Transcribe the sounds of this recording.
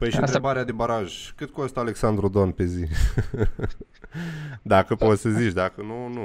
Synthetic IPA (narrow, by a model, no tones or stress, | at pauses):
pɐjʃĩt̪ɾbaɾead̪ɪbaɾaʒkɨd̪kõnst̪aleksand̪ɾud̪onpezi | d̪akɨposeziʃd̪akɨnũnũ